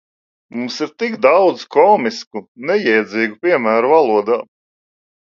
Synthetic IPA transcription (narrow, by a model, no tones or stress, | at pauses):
mumsiɾt̪ikd̪awd̪zkɔːmiskunɛjɛjd̪ziːɡupʲiɛmæːɾuvalˠuɔd̪aː